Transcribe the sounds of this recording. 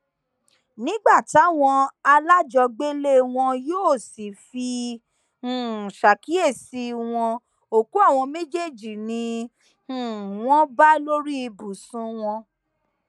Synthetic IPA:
nĩ˨˦ɡ͡ba˦˨ti˨˦a˦˨w̃ɔ̃˧a˧la˦d͡ʒɔ˧ɡ͡be˦le˦w̃ɔ̃˧joː˦˨si˨fĩ˧˨ | ʃa˨ki˦e˦˨si˧w̃ɔ̃˧ | o˨ku˦a˦˨w̃ɔ̃˧me˦d͡ʒe˦˨d͡ʒi˨nĩ˧˨ | w̃ɔ̃˦ba˦lo˦ɾi˦i˧bu˨sũ˨˦w̃ɔ̃˧

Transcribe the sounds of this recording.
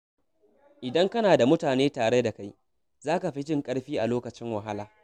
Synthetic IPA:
ʔɪ˨dɐ˦ŋkɐ˦naː˨da˨mʊ˦taː˨neː˦taː˨ɽe˦da˨ka˦j | zaː˦ka˨ɸi˦t͡ʃɪ˦ŋkʼɐ˦ɽɸiː˦ʔa˨loː˦kɐ˨t͡ʃɪ˦ŋwɐ˨ɦa˦laː˨

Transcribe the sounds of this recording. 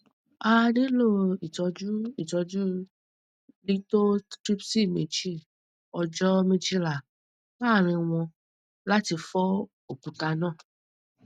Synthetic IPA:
a˨ɖe˦lo˦i˨t͡ʃɔ˧d͡ʒu˦i˨t͡ʃɔ˧d͡ʒu˦ | li˦t̪o˦tɾi˦psi˦mẽ˨t͡ʃi˦ | ɔ˨d͡ʒɔ˦mĩ˦d͡ʒi˦la˨ | a˦˨ɾ̃ĩ˨w̃ɔ̃˧ | la˦t̪i˨fɔ˦ | o˨pu˨ka˨nã˦˨

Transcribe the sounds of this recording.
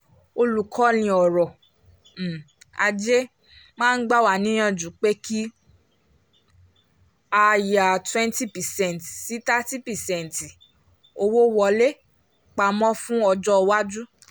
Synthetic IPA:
o˧lu˨kʰɔ˨˦nĩ˧ɔ˨ɾɔ˨ | a̰˧d͡ʒe˦ | mãː˦n̩˦ɡ͡ba˦˨wa˨nĩ˦j̃ã˦˨d͡ʒu˨˦k͡pe˦ki˦ | a˧ja˨twɛ̃˦nti˦pɛ˨sɛ̃˦˨ntsi˨˦ta˦ti˦pɛ˨sɛ̃˦˨nti˨ | o˧wo˦wɔ˧˨le˦ | k͡pa˧˨mɔ̃˦fũ˦ɔ˧d͡ʒɔ˦˧wa˦d͡ʒu˦

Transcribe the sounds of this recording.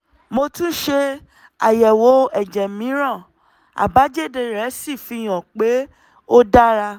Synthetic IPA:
mo˧tũ˦ʃe˧ | a˨jɛ˨wo˨˦ɛ˦˨d͡ʒɛ˨mĩ˨˦ɾ̃ã˦˨ | a̰˨ba˨˦d͡ʒe˦de˧ɾɛ˨˦si˦˨fi˨˦j̃ɔ̃˨k͡pe˨˦ | o˦da˦ɾa˧

